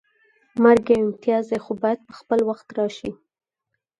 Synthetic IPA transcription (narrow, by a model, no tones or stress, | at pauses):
maɾɡeɪmt̪ijɑzexobɑjad̪̚pə̥xpəlwaxt̪ɾɑʃi